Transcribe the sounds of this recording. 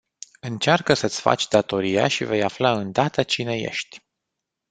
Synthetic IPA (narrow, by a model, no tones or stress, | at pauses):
ɨnt͡ʃarkəsət̪sʲfa̰t͡ʃʲd̪at̪o̞ɾija̰ʃive̞jaflaɨnd̪at̪ət͡ʃine̞jḛʃt̪ʲ